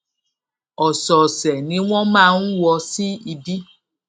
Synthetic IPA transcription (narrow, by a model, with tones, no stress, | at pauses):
ɔ˨sɔ˨sɛ˨nĩ˧˦w̃ɔ̃˦mãː˦˧˦n̩˦wɔ˧si˦i˧bi˦